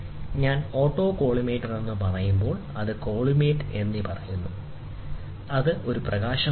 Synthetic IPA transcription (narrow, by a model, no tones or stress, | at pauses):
ɲaːno̞ːʈːo̞ːko̞ːɭimeːʈːɨne̞nːɨpɐrɐjumbo̞ːɭɐðɨko̞ːɭimeːʈːɨe̞nːipɐrɐjunːu | ɐðɨʔo̞ɾuprɐɣaːɕɐ